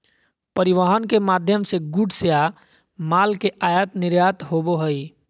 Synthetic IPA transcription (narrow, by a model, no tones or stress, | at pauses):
pəɾɪʋəɦənkemaːd̪ʱjəmseɡuɖʱseja | maːlkeʔaːjət̪nɪɾjaːt̪ɦoboɦəi